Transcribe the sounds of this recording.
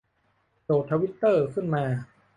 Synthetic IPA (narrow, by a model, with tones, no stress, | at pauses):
t͡ɕoː˨˩t̪ʰa˧wi˦˥t̪ːɤː˥˩kʰɯ˥˩nmaː˧